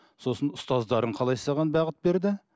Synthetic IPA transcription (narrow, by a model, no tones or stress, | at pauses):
so̞sənʊst̪ɑzd̪ɑɾəɴqʰɑlˠɑjsɑʁɑnbɑʁət̪̚be̞ɾd̪ɪ